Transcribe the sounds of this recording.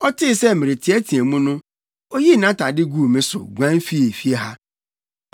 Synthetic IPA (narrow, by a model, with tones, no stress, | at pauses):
ɔ˦tɪ˦˨sɛ˦˨mɪ˨ɾɪ˨tʰi˨˦ɛ˦tʰĩ˨e˨mũ˦nʊ̃˦ | o˦ji˦˨nã˦ta˨dɪ˦ɡu˦˨mɪ̃˦sʊ̰˨ɡʷã˦n˦fi˦e˨fi˦e˦ɦa˦